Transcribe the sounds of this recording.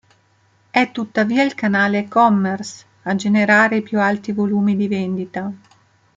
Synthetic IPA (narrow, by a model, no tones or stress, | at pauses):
ɛt̪ːut̪ːaviːailkanaːlekɔmːɛrs | ad͡ʒeneɾaːɾeipjualt̪ivoluːmid̪iveɛnd̪it̪a